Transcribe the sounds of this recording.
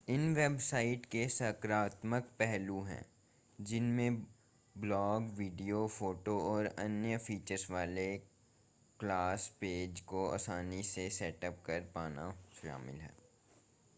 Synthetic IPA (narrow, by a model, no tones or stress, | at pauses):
ɪnʋebsaːɪʈkesɐkɾaːt̪məkpɛɦluɦɛ̰̃ː | d͡ʒɪnmẽ | blɔːɡʋiːɖijofoːʈoɔːɾɐ̰njəfiːt͡ʃəɾsʋaːle | klaːspeːd͡ʒkoa̰ːsaːnisesɛːʈəp̚kɐɾpaːna̰ʃa̰ːmɪ̰lɦɛ̰ː